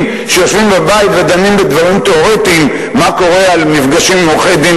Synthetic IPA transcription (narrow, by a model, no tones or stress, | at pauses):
ʃeofimbabait̪ved̪animbed̪vaʁimt̪oʁet̪imː | ako̞ʁe̞almifɡaʃimːoχed̪i